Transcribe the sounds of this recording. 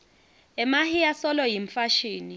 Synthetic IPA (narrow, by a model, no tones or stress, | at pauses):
ɛmahijasɔlɔjiɱfaʃiːni